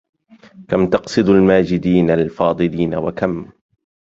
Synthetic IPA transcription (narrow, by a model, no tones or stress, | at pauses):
kamt̪ɑqsˤɨd̪almaːd͡ʒɪd̪iːnallfɑːd̪ˤɨliːnawakam